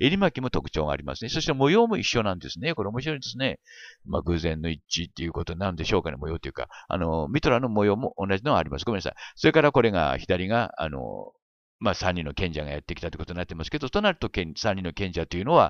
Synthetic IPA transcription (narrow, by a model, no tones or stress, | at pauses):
eɾʲimakʲimo̞t̪o̞kɯ̟̥t͡ɕo̞ːɡa̰ːɾʲima̰sɨne̞so̞ɕi̥t̪omo̞jo̞ːmo̞iɕːo̞nãnd̪e̞sɨne̞ko̞ɾe̞omoɕiɾo̞id̪e̞sɨne̞ma̰ɡɯ̟zẽ̞nːo̞it͡ɕit̪ːejɯ̟ko̞t̪oɲinaɾɯ̟nd̪e̞ɕo̞ːkanḛmojo̞ːt̪ːejɯ̟ka̰a̰nomʲit̪o̞ɾano̞mo̞jo̞ːmo̞ʔonːaʑino̞ɡaɾʲimasɨɡomenasã̰so̞ɾe̞kaɾako̞ɾe̞ɡa̰çid̪aɾʲiɡaa̰no̞̰ | masãɲ̟ːino̞kẽ̞ɲ̟d͡ʑaɡajat̪ːe̞kʲi̥t̪at̪ːikot̪oɲnat̪ːemasɨ̥ke̞d̪ot̪onaɾɯ̟t̪o̞kesãɲ̟ːino̞kẽ̞ɲd͡ʑat̪o̞jiɯ̟no̞βa